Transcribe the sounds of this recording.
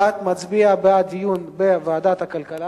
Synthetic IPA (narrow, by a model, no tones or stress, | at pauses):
at̪mat͡sbiabead̪ijunbevaad̪at̪hakalkala